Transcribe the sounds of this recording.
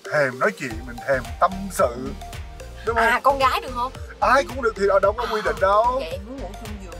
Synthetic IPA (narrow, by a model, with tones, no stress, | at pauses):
t̪ʰɛ˨˩mnɔ˨˦jt͡ɕḭ˧˨mï˨˩ŋ̟t̪ʰɛ˨˩mt̪ə˧msɨ̰˧˨ | ɗʊ˨˦ŋ͡mhə˧˨˧kɔ˧nɣaː˨˦jɗɨ˨˩ək̚hə˧wŋ͡mʔaː˧jkʊ̰˧˥ŋ͡mɗɨ˨˩əi˨ɗaː˨˩ɗə˧wŋ͡mkɔ˨˧˦kwi˧ɗḭ̈˧˨ŋ̟ɗə˨˧wo̰˧˩sʊ˧ŋ͡mɲi˨˩